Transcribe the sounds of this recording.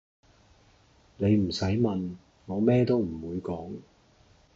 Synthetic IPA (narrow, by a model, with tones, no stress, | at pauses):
ne˨˧jm̩˨˩sɐ˨˥jmɐ˨n | ŋɔː˨˧mɛː˥t̪o˥wm̩˨˩wuː˨˧jkɔː˨˥ŋ